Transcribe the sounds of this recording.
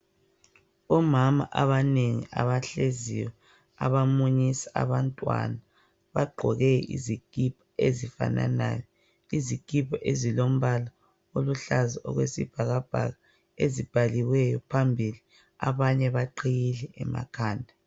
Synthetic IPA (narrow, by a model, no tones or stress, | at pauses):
ɔmama̰ʔaβaneŋḭa̰βaɬezḭwɛ | a̰βamuɲisḁa̰βantʼwa̰na | βaɡ͡ǃʱɔɣɛḭziɡ̥ʱʼipʰḁezifa̰na̰na̰jɔ | iziɡ̥ʼʱipʰaʔezilom̩βala | oluɬaziɔ̰ɣwesib̥ʱaɣab̥ʱa̰ɣa | ezib̥ʱaliwɛjɔpʰambʱili | aβaɲɛβaǃʰijilɛɛma̰kʰaːndʱa